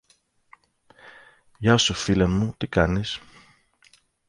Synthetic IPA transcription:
ʝɐsofilenmut̪ikɐnis

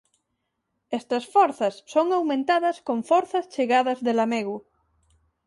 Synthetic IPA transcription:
est̪ɐsfoɾθɐsːoŋawmẽnt̪aðɐskõɱfoɾθɐst͡ʃeɣaðɐzðelameɣu

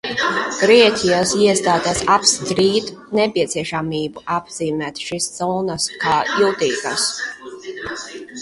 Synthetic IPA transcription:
ɡ̥ɾiɛtʲijasiɛst̪aːd̪ɛsapst̪ɾiːt̪nɛpiɛt̪siɛʃamiːbuʔabz̥iːmæːt̪ʃiszɔːnaskaːilt̪iːkas

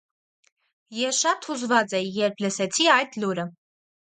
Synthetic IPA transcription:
jɛʃɑt̪huzvɑt͡sɛjɛɾpʰləsɛt͡sʰiɑjt̪luɾə

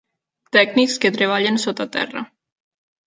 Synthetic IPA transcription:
t̪ɛɡniksket̪ɾeβ̞aʎensot̪at̪ɛ̰rə̰

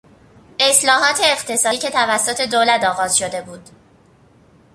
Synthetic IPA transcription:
e̞slɒːɦɒːt̪ʰe̞ːqt̪ʰe̞sɒːiːcʰe̞t̪ʰævæsːot̪ʰe̞d̪oːlæt̪ɒːɣɒːz̥ʃo̞d̪e̞buːd̪̥

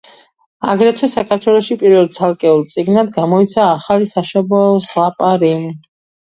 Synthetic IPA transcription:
aɡɾɛt̪ʰwɛsakʰaɾt̪ʰwɛlˠɔʃipʼiɾvɛlˠt̪sʰalˠkʼɛulˠt̪sʼiɡnad̪ɡamɔit̪sʰaːχalisaʃɔbɔslapʼaɾi

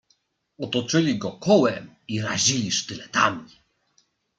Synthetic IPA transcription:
ɔt̪ɔt͡ʂɘlʲiɡɔkɔwɛmiɾaʑilʲiʂt̪ɘlɛt̪a̰mʲi

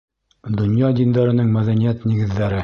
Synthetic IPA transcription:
d̪ŏnjɑd̪ind̪ɑɾɤ̆nɘŋmæðænijæt̪niɡɘ̆ðːæɾɘ

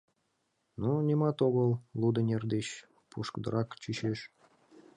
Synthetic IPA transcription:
nunʲemɑt̪oɣəlˠlud̪ənʲerd̪eɕ | puʃkəd̪ə̰ɾʔɑkt͡ɕyɕeʃ

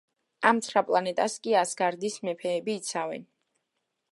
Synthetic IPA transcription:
amt̪sʰɾapʼlˠanɛt̪ʼaskʼiasɡaɾd̪ismɛpʰɛːbiːt̪sʰavɛ̰n

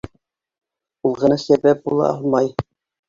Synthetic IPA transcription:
ulˠʁɤ̆nɑsæbæp̚bulˠɑ̰ɑlˠmɑj

